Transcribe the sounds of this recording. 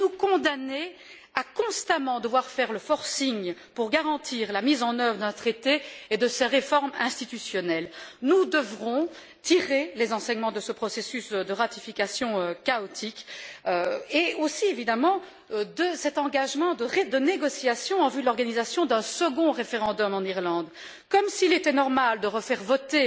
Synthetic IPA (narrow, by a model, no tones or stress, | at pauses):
nukɔ̃d̪ane | akɔ̃st̪amɑ̃d̪əvwaʁfɛʁləfɔʁsiɲpuʁɡaʁɑ̃t̪iːʁlamizɑ̃nœvʁəd̪ɛ̃t̪χet̪eːd̪əsɛʁefɔʁmɛ̃st̪it̪ysjɔnɛlnud̪əvʁɔ̃ | t̪iʁelezɑ̃sɛɲmɑ̃d̪əsəpχɔsesysd̪əʁat̪ifikasjɔ̃økaɔt̪ʰikøeosievid̪amɑ̃ | d̪əsɛt̪ɑ̃ɡaʒmɑ̃d̪əʁed̪əneɡɔsjasjɔ̃ɑ̃vylɔʁɡanizasjɔ̃d̪ɛ̃səɡɔ̃ʁefeʁɑ̃d̪ɔmɑ̃niʁlɑ̃d̪ | kɔmsilet̪ɛnɔʁmald̪əʁəfɛʁvɔt̪e